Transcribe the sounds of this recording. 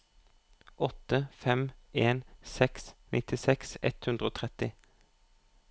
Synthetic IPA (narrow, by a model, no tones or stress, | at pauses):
ʔɔt̪əfɛmeːnsɛksnʔɪt̪ɪsɛksɛ̰t̪hʉnd̪ʁoːt̪ʰʁɛt̪ɪ